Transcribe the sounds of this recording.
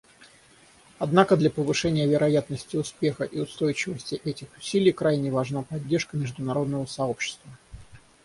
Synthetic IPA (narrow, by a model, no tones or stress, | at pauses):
ɐd̪nakəd̪lʲapəvɨʂɛnʲɪjəvʲɪɾʔɐjat̪nəsʲtʲɪʊspʲe̞xəʔiʊst̪o̞jt͡ɕɪvəsʲtʲɪʔɛtʲɪxʊ̥sʲilʲɪjkɾajnʲɪvɐʐnapɐdʲːe̞rʂkəmʲɪʐd̪ʊnɐɾo̞d̪nəvəsɐo̞pɕːɪ̥st̪və